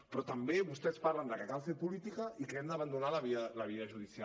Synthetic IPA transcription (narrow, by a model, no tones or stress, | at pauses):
pɾɔt̪ambeβust̪ɛspaɾland̪əkəkalfepulit̪ikaʔikɛnd̪əβand̪unalaβialaβ̞iaʒuð̞isja